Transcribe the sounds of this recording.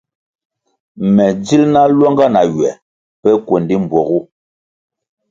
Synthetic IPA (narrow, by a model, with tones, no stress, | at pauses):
mɛ˨d͡zi˦lna˦lwɔ˦ŋɡa˦na˨ɥwɛ˨ | pɛ˦kwo˨ndi˦m˨bwɔ˨ɣu˦